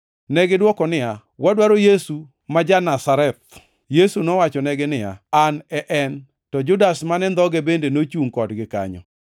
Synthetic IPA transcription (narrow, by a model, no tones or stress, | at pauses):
nɛɡɪdwɔkɔnɪa | wadwaɾojesu | mad͡ʒanasaɾɛt̪̚ | jesunɔwat͡ʃɔnɛɡɪnɪa̰anɛʔɛn | tɔd͡ʒʊdasmanɛnd̪ɔɡebendenot͡ʃuŋkɔdɡɪka̰ɲɔ̰